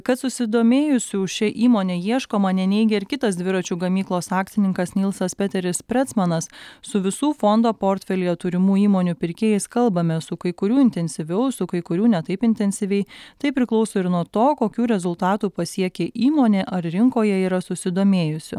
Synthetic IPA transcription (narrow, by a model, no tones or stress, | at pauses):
kɐt̪sʊsʲɪd̪oːmʲeːjʊsʲuːʃʲɛʔiːmoːnʲeːjiɛʃkoːmɐnʲɛnʲɛɪɡʲɛɪɾkʲɪt̪ɐsd̪ʲʋʲɪɾɐt͡ʃʲuːɡɐmʲiːklˠoːsɑːkt̪ʲɪnʲɪŋkɐsnʲɪlˠsɐspʲɛt̪ʲɛɾʲɪspʲɾʲɛt̪smɐnɐssʊʋʲɪsuːfond̪oːpoːɾʲt̪ʲfʲɛlʲɪjɛt̪uːɾʲɪmuːiːmoːnʲuːpʲɪɾʲkʲeːjɛɪskɐlˠbɐmʲɛsʊkɐɪkʊɾʲuːɪnʲt̪ʲɛnʲsʲɪʋʲɛʊsʊkɐɪkʊɾʲuːnʲɛt̪ɐɪpɪnʲt̪ʲɛnʲsʲɪʋʲɛɪt̪ɐɪpʲɾʲɪklˠɒʊsoːɪɾnuɔt̪oːkoːkʲuːɾʲɛzʊlˠt̪ɑːt̪uːpɐsʲiɛkʲeːʔiːmoːnʲeːʔɐɾɾʲɪŋkoːjɛiːɾɐsʊsʲɪd̪oːmʲeːjʊsʲʊ̰